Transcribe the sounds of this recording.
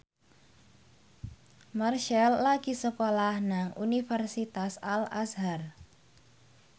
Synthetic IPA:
marʃɛlːaɡisəkolahnaŋunifɛrsit̪asala̰sɦar

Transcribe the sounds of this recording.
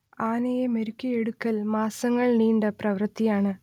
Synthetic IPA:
aːnɐjemeɾukʲːijeɽukːɐlmaːsɐŋːɐɭniːɳɖɐprɐʋrt̪ːijaːɳɨ

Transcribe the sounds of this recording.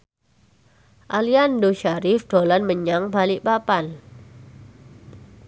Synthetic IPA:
ʔaliandoʃaɾɪfd̥olanməɲaŋbaliʔpapan

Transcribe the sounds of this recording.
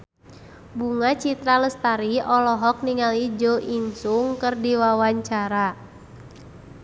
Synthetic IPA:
buŋat͡ʃit̪ɾaləst̪aɾiɔlɔɦɔk̚niŋalid͡ʒoʔiŋsʊŋkərdiwawaɲt͡ʃaɾa

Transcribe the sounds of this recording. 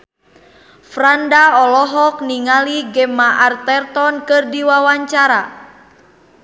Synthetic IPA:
fɾandaɔlɔɦɔk̚niŋaliɡɛmaʔart̪ɛrt̪ɔnkɨrdiwawaɲt͡ʃaɾa

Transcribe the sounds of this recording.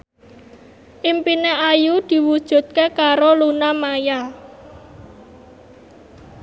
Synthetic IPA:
ʔimpineʔajud̪̥i̤wud̥ʒ̥ṳt̪̚kekaɾolunamaja

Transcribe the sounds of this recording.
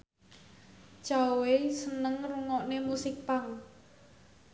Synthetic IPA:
t͡ʃawesənəŋruŋɔʔnemusɪk̚paŋ

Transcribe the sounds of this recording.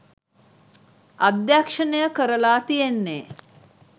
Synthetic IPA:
ad̪jakʂənejəkəɾəlaːt̪ijenːeː

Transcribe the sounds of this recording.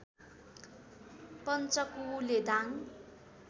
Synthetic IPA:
pʌnt͡sʌkuled̪aŋ

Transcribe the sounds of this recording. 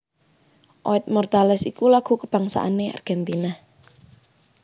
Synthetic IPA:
ʔɔɪt̪̚mɔrt̪alɛsikulaɡ̥ṳkəb̥a̤ŋsa̰ʔanea̰rɡ̥ɛnt̪inah

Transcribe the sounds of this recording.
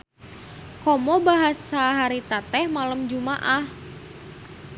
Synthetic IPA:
kɔmɔbaɦasaɦaɾit̪at̪ɛhmaləmd͡ʒumaʔah

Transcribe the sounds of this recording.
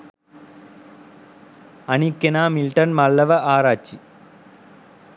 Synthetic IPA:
ɐnikːenaːmilʈɐnmɐɭːɐʋɐʔaːɾaːt͡ʃːi

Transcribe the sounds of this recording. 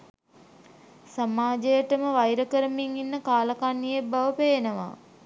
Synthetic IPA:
samaːd͡ʒejəʈəməʋajɾəkəɾəmiŋinːəkaːləkanːijebaʋəpeːenəʋa̰

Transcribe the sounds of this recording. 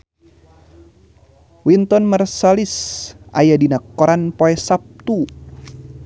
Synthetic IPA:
wint̪ɔnmərsalisʔa̰jadinakːɔɾanpoɛsap̚t̪u

